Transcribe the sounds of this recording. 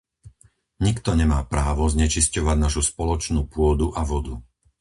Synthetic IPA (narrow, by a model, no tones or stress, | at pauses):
ɲikt̪ɔɲɛmaːpɾaːʋɔzɲɛt͡ʃiscɔʋaɟnaʃuspɔlɔt͡ʃnuːpʊɔd̪uʔaʋɔd̪u